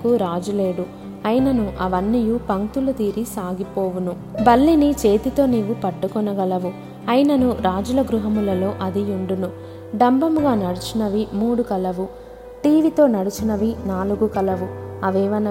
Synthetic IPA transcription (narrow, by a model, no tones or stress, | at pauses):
kuɾaːd͡ʒule̞ːɽu | ɐjinɐnuʔɐʋɐnːijupɐŋt̪ulut̪iːɾisaːɡipo̞ːʋunu | bɐlːinit͡ʃe̞ːt̪it̪o̞ːniːʋupɐʈːukɔnɐɡɐlɐʋu | ɐjinɐnuɾaːd͡ʒulɐɡɾuɦɐmulɐlo̞ːʔɐd̪iuɳɖunu | ɖɐmbɐmuɡaːnɐɽut͡ʃunɐʋimuːɽukɐlɐʋu | ʈiːʋit̪o̞ːnɐɽut͡ʃunɐʋinaːluɡukɐlɐʋuɐʋɛːʋɐnɐ